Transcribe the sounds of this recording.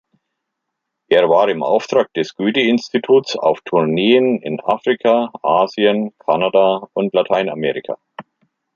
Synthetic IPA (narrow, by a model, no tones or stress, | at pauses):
ʔeːɐvaːʁɪmʔa̰ʊftʁ̥aːk̚d̥ɛsɡ̥yːtəɪnstitʰuːtt͡sa̰ʊftʰʊɐneːənɪ̰nʔa̰ːfʁ̥ikʰaʔaːziənkʰanadaʊntlatʰaɪna̰meːʁɪkʰa̰ː